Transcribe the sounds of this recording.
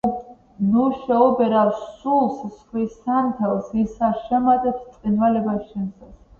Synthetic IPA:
nuʃɛɔbɛɾafssulˠssχwisant̪ʰɛlˠsisaʃɛmat̪ʼɛpst̪sʼqʼinvalɛbast͡ʃʰɛnsas

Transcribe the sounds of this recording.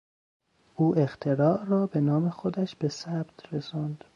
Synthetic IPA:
ʔuːʔext̪ʰeɾɒːʔrɒːbe̞nɒːme̞xod̪æʃb̥e̞sæb̥t̪ʰresɒːnd̪̥

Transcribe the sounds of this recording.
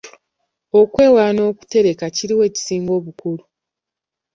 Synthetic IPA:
o̞kwe̞ːwaːno̞ːku̥te̞ɾe̞kaciɾiwe̞ːci̥siːŋɡo̞ːβukuɾu

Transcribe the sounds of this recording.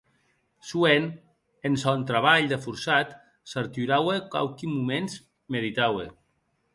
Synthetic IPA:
suen | ensɔnt̪ɾaβaʎd̪efuɾsat̪ | saɾt̪yɾaweka̰wkimumenz | meðit̪awḛ

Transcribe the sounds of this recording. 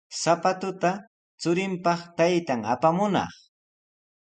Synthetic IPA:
sapat̪ʊt̪a | t͡sʊɾɪmpɑχt̪ajt̪aŋapamʊnɑ̰χ

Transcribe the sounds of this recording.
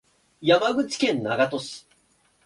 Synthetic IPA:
jamaɡɯ̟t͡sɨ̥kẽ̞nːaɡat̪o̞sɨ̥

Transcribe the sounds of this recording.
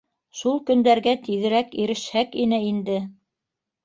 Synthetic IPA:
ʃulˠkɵ̆nd̪æɾɡæt̪iðɘ̆ɾækiɾɘ̆ʃhækinɘind̪ɘ

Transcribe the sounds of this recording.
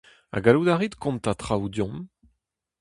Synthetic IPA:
a̰ɡalud̪aʁit̪kɔ̃mt̪at̪χawdjɔ̃m

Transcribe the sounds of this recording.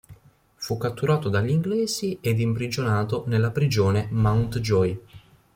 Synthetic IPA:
fukːat̪ːuɾaːt̪od̪aʎːiŋɡlɛːzied̪impɾid͡ʒonaːt̪onelːapɾid͡ʒoːnemawnt̪d͡ʒɔj

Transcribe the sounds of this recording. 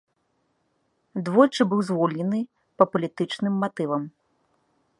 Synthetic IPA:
d̪vɔjt͡ʂɨbɨwzvɔlʲnʲɛnɨ | pɐpɐlʲit̪ɨt͡ʂnɨmːat̪ɨvɐm

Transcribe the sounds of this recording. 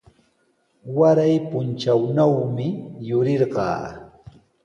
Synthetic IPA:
waɾajpʊnt͡ʃawnawmɪjʊɾɪɾɢɑ̰ː

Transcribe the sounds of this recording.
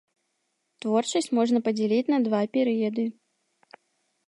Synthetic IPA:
t̪vɔrt͡ʂɐsʲt͡sʲmɔʐnɐpɐd͡zʲɛlʲit͡sʲnɐd̪vapʲɛɾɨjɐd̪ɨ

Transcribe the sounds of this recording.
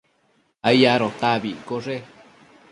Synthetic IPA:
aijaɾot̪aβikoʐe

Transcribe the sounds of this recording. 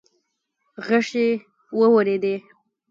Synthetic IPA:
ɣəʂe | wəwəɾed̪e

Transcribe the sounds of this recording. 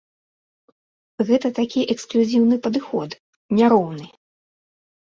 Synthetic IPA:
ɣɛt̪ɐt̪akʲiʔɛksklʲuzʲiwnɨpɐd̪ɨxɔt̪ | nʲaɾɔwnɨ

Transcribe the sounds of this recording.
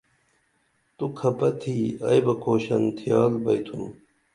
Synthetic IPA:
t̪ukʰɐpɐt̪ʰiːɐ̰jbɐkʰoːɕɐnt̪ʰijaːlbɐjt̪ʰum

